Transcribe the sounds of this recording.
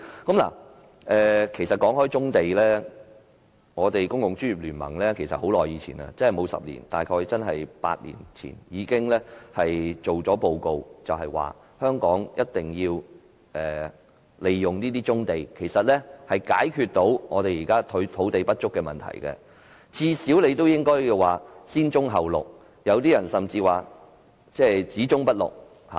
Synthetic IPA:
kɐ˨˥mla̰ː˨˩ | ɛː˨kʰe˨˩jsɐ˨t̚kɔː˨˥ŋhɔː˥jt͡sʊ˥ŋt̪e˨jlɛː˥ | ŋɔː˨˧t̪e˨jkʊ˥ŋjʊ˨ŋt͡ʃy˥njyː˨p̚lyː˨˩nmɐ̰˨˩ŋlɛː˥kʰe˨˩jsɐ˨t̚ho˨˥wlɔː˨˩jiː˨˧t͡sʰḭː˨˩nɐ̰˧t͡sɐ˥nhmo˨˧wsɐ̰˨p̚lḭː˨˩nt̪aː˨jkʰɔː˧t͡sɐ˥nɦɐ˨jpa̰ː˧t̚lḭː˨˩nt͡sʰḭː˨˩njiː˨˧kɪ˥ŋlɛː˥hɐ˨jt͡so˨wt͡sɔː˨˥po˧wko˨˧wt͡sɐ˨wɦɐ˨jwa̰ː˨ | hœː˥ŋkɔː˨˥ŋjʔɐ˥t̚t̪ɪ˨ŋjiː˧w | ʔɛː˨˩ | le˨jːʊ˨ŋniː˥t̪iː˥t͡sʊ˥ŋt̪e˨˩jkʰe˨˩jsɐ˨t̚lɛː˥hɐ˨jka̰ː˨˥jkʰyː˧t̚t̪o˨˥wŋɔː˨˧t̪e˨jiː˨˩kaː˥t̪ʰt̪ʰo˨˥wt̪e˨jpɐ˥t̚t͡ʃʊ˥kːɛ˧mɐ̰˨nt̪ʰɐ̰˨˩jkɛ̰˧ | t͡sʰiː˧si˨˥wle˨˧jt̪o˥wjɪ˥ŋkɔː˥jju˧waː˨siː˥nt͡ʃʊ˥ŋɦɐ˨wlʊ̰˨˩k̚ | jɐ˨˧wt̪iː˥jɐ˨˩nsɐ˨mt͡siː˧waː˨ | t͡sɛː˥t͡siː˨˥t͡sʊ˥ŋpɐ˥t̚lʊ̰˨˩k̚ | ha̰˨˩

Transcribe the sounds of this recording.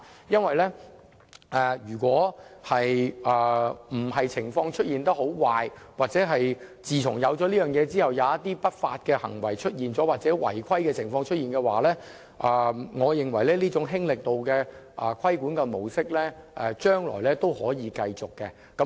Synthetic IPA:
jɐ˥nwɐ˨jlɛː˥ | ʔɛː˨˩ɥyː˨˩kwɔː˨˥hɐ˨jʔɛː˨m̩˨˩hɐ˨jt͡sʰɪ˨˩ŋfɔː˧ŋt͡ʃʰɵ˥t̚jiː˨nt̪ɐ˥ho˨˥wwaː˨jwaː˨˩t̚t͡sɛː˨˥ɦɐ˨jt͡siː˨t͡sʰʊ˨˩ŋjɐ˨˧wt͡sɔː˨˥liː˥jœː˨˩ŋjɛː˨˧t͡siː˥hɐ˨wjɐ˨˧wjɐ˥t̪iː˥pɐ˥t̚fa̰ː˧t̚kɛː˧hɐ̰˨˩ŋwɐ˨˩jt͡ʃʰɵ˥t̚jiː˨nt͡sɔː˨˥waː˨t̚t͡sɛː˨˥wɐ̰˨˩jkʰɐ˥jkɛː˧t͡sʰɪ˨˩ŋfɔː˧ŋt͡ʃʰɵ˥t̚iː˨nkɛ˧wa̰ː˨˩lɛː˥ | ʔɛ˨˧ŋɔː˨˧jɪ˨ŋwɐ˨˩jlɛː˥liː˥t͡sʊ˨˥ŋɦɪ˥ŋlɪ˨k̚t̪o˨wkɛː˧ | ʔɛ˨kʷʰɐ˥jkuː˨˥nkɛ˧mo˨˩wsɪ˥k̚lɛː˥ʔɛː˨t͡ʃœː˥ŋlɔ̰ː˨˩jlɛː˥t̪o˥whɔː˨˥jiː˨˧kɐ˧jt͡sʊ˨kːɛ˧ | kɐ˨˥

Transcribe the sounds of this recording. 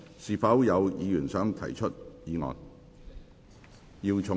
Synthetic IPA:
siː˨˩fɐ˨˥wjɐ˨˧wjiː˨˧jyː˨˩nsœː˨˥ŋt̪ʰɐ̰˨˩jt͡ʃʰɵ˥t̚jiː˨˧ŋɔ̰ː˨n | jiː˧wt͡sʰʊ˨˩

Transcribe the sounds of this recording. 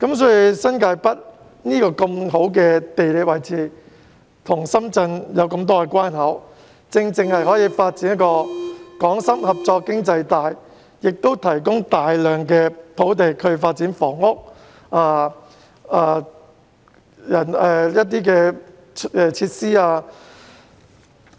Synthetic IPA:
kɐ˨˥msɔː˨˥ji˨˧sɐ˥nkaː˧jpɐ˥t̚ | niː˥kɔː˧kɐ˧mho˨˥wk̬ɛː˧t̪e˨jle˨˥wɐ˨˩jt͡siː˨˧ | t̪ʰʊ˨˩ŋsɐ˥mt͡sɐ˧njɐ˨˧wkɐ˧mt̪̬ɔː˥kɛ˧kwaː˥nɦɐ˨˥w | t͡sɪ˧ŋt͡sɪ˧ŋhɐ˨˩jɦɔː˨˥jiː˧faː˧t̚t͡siː˨˥njɐ˥t̚kɔː˧kɔː˨˥ŋsɐ˥mhɐ˨p̚t͡sɔː˧kkːɪ˥ŋt͡sɐ˧jt̪aː˨jː | ɪ˨k̚t̪o˥wt̪ʰɐ˨˩jk̬ʊ˥ŋt̪aː˨jlœː˨˩ŋkɛː˧pʰo˨˥wt̪̬e˨jkʰɵ˨˧ɥfaː˧t̚t͡siː˨˥nfɔː˨˩ŋʊ˥k̚ | aː˧ | aː˧ | jɐ˨˩nɛː˨jɐ˥t̚t̪iː˥kɛː˧ | ɛː˨˧t͡sʰiː˧t̚siː˥aː˧

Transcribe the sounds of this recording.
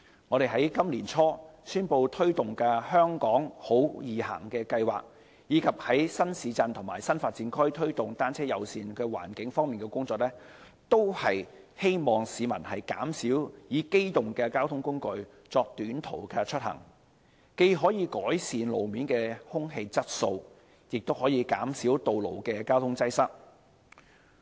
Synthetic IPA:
ŋɔː˨˧ɾe˨jɦɐ˨˥jkɐ˥mliː˨˩nt͡sʰɔː˥syː˥npo˧wt̪ʰɵ˥ɥt̪ʊ˨ŋkɛː˧hœː˥ŋkɔː˨˥ŋho˨˥wjiː˨hɐ̰˨˩ŋkɛː˧kɐ˧jwa̰ː˨k̚ | jiː˨˧kʰɐ˨p̚hɐ˨˥jsɐ˥nsiː˨˧t͡sɐ˧nt̪ʰʊ˨˩maː˨˩jsɐ˥nfaː˧t̚t͡siː˧˥nkʰɵ˥t̪ʰɵ˥ɥt̪ʊ˨ŋt̪aː˥nt͡sʰɛː˥jɐ˨wsiː˨˧nkɛː˧wa̰ː˨˩nkɪ˨˥ŋfɔː˥ŋmiː˨nkɛː˧kʊ˥ŋt͡sɔː˧k̚lɛː˥ | t̪o˥whɐ˨j | he˥jmɔː˨˩ŋsiː˨˧mɐ̰˨˩nhɐ˨jka̰ː˨˥msiː˨˥wjiː˨˥ke˥jt̪ʊ˨˩ŋkɛː˧kaː˥wt̪ʰʊ˥ŋkʊ˥ŋkɵ˧ɥ | t͡sɔː˧k̚t̪yː˨˥nt̪ʰo˨˩wkʰɛː˧t͡ʃʰɵ˥t̚hɐ̰˨˩ŋ | ke˧jɦɔː˨˥jiː˨˧kɔː˨˥jsiː˨nlo˨˩wmiː˨˥nkɛː˧hʊ˥ŋɦe˧jt͡sɐ˥t̚so˧w | jɪ˨k̚t̪o˥whɔː˨˥jiː˨˧ka̰ː˨˥msiː˨˥wt̪o˨wlo˨˩wkɛː˧kaː˥wt̪ʰʊ˥ŋt͡sɐ˥jsɐ˥k̚

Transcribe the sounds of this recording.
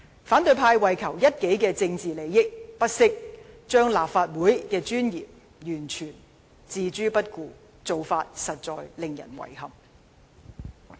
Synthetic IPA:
faː˨˥nt̪ɵ˨˧ɥpʰaː˧jwɐ˨˩jkʰɐ˨˩wjɐ˥t̚ke˨˥jkɛː˧t͡sɪ˧ŋt͡siː˨le˨˧jɪ˥k̚pɐ˥t̚sɪ˥k̚t͡ʃœː˥ŋlaː˨p̚faː˧t̚wuː˨˥jkɛː˧t͡ʃyː˥njḭː˨˩p̚ | jyː˨˩nt͡ʃʰyː˨˩n | t͡siː˧t͡ʃyː˥pɐ˥t̚kuː˧ | t͡so˨wfaː˧t̚sɐ˨t̚t͡sɔː˨jlɪ˨ŋjɐ̰˨˩nwɐ̰˨˩jhɐ˨˩m

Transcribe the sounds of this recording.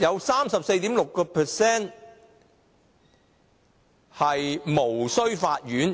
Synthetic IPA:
jɐ˨˧wsaː˥msɐ˨p̚se˧jt̪iː˨˥mlʊ˨kːɔː˧pʰɛ˨˩sɛː˥n | hɐ˨jmo˨˩wsɵ˥ɥfaː˧t̚jyː˨˥n

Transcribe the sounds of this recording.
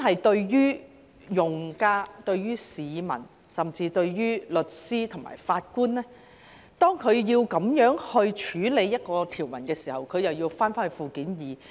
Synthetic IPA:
ɦɐ˨jt̪ɵ˧ɥjyː˥ | jʊ˨ŋkaː˥t̪ɵ˧ɥjyː˥siː˨˧mɐ̰˨˩n | sɐ˨˩mt͡siː˧t̪ɵ˧ɥjyː˥lɵ˨˩t̚siː˥t̪ʰʊ˨˩ŋma̰ː˨˩jfaː˧t̚kuː˥nlɛː˥ | t̪ɔː˥ŋkʰɵ˨˧ɥjiː˧wkɐ˨˧˥mjœː˨˥ŋhɵ˧ɥt͡ʃʰyː˨˥le˨˧jːɐ˥t̚kɔː˧t̪ʰiː˨˩wmɐ˨˩nkɛː˧siː˨˩hɐ˨˩wkʰɵ˨˧ɥjɐ˨wjiː˧wfaː˥nfaː˥nhfuː˨kiː˨˥njiː˨˧

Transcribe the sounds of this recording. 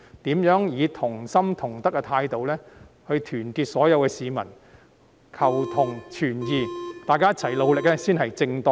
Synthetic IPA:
t̪iː˨˥mjœː˨˥ŋjiː˨˧t̪ʰʊ˨˩ŋsɐ˥mt̪ʰʊ˨˩ŋt̪ɐ˥k̚ːɛː˧t̪ʰaː˧jt̪o˨˧wlɛː˥hɵ˧ɥt̪ʰyː˨˩nkiː˧t̚sɔː˨˥jɐ˨˧wkɛː˧siː˨˧mɐ̰˨˩n | kʰɐ˨˩wt̪ʰʊ˨˩ŋt͡ʃʰyː˨˩njiː˨˧t̪aː˨jkaː˥jɐ˥t̚t͡sʰɐ˨˩jlo˨˧wlɪ˨k̚lɛː˥siː˥nɦɐ˨jt͡sɪ˧ŋt̪ɔ˥˧

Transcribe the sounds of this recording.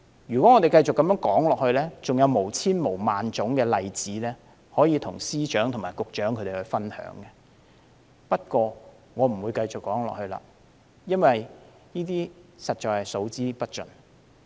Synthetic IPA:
jy˨˩kwɔ˨˦ŋɔː˨˧t̪e˨jkɐ˧jt͡sʊ˨kːɐ˧mjœː˨˥ŋkɔː˨˥ŋlɔː˨k̚hɵ˧ɥlɛː˥t͡sʊ˨ŋjɐ˨˧wmo˨˩wt͡sʰiː˥nmo˨˩wmaː˨nt͡sʊ˨˥ŋkɛː˧lɐ˨jt͡siː˨˥lɛː˥ | hɔː˨˥jiː˨˧t̪ʰʊ˨˩ŋsiː˥t͡ʃœː˨˥ŋt̪ʰʊ˨˩ŋmaː˨˩jkʊ˨k̚t͡ʃœː˨˥ŋkʰɵ˧te˨˩hɵ˧ɥfɐ˥nhœ̰ː˨˥ŋɡɛ˧ | pɐ˥t̚kʷɔː˧ | ŋɔː˨˧m̩˨˩wu˨˧jkɐ˧jt͡sʊ˨kːɔː˨˥ŋlɔ̰˨k̚hɵ˧ɥla̰ː˧ | jɐ˥nwɐ˨j | jiː˥t̪̬iː˥sɐ˨t̚t͡ʃɔː˨jhɐ˨jso˨˥wt͡siː˥pɐ˥t̚t͡ʃɵ̰˨n

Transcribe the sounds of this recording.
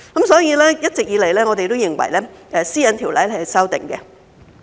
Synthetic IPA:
kɐ˨˦msɔː˨˥jiː˨˧lɛː˥jɐ˥t̚t͡sɪ˨k̚jiː˨˧le˨˩jlɛː˥ŋɔː˨˧t̪e˨jt̪o˥wjɪ˨˩ŋwɐ̰˨˩jlɛː˥ʔɛː˨˧siː˥jɐ˨˧nt̪ʰiː˨˩wlɐ̰˨˥jlhɐ˨sɐ˥wt̪ɪ̰˨˩ŋkɛ˧

